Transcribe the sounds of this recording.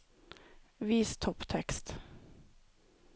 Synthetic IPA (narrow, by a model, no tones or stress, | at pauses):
ʋiːst̪ʰɔpt̪ʰɛkst̪